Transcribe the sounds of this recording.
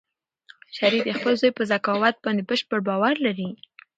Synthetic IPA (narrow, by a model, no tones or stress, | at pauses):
ʃaɾid̪əxpəlzojpəzakɑwat̪̚bɑnd̪ebəʃpəɽbɑwaɾlaɾi